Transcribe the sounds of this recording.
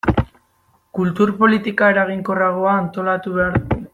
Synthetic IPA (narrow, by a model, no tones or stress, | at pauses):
kult̪uɾpo̞lit̪ikae̞ɾaɣiŋko̞raɣ̞o̞aːnt̪o̞lat̪uβeaɾ